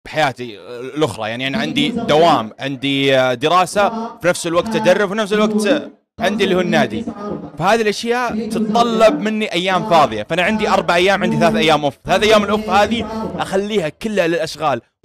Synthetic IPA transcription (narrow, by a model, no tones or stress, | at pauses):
b̥ħajaːt̪ilʔʊxɾˤɑ̰ja̰ʕniʔaniʕɪnd̪id̪awaːmʕɪnd̪id̪ɪɾaːsafinafsɪlwaɡ̚t̪ːad̪ɑrˤːʊbfinafsɪlwaɡt̪ | ʕɪnd̪ilːihuːnːaːd̪ifahaːðilʔaʃjaːʔt̪ɨt̪t̪ˤːɑlːɑb̚mɪnːiʔajːaːmfɑːðˤɨjafaʔanaʕɪnd̪iʔɑɾˤbaʕʔajːaːmʕɪnd̪iθalaːθʔajːaːmʔʊfθalaːθʔajːaːmɪlʔʊfhaːðiʔaxalːiːhakɪlːalɪlʔaʃɣaːl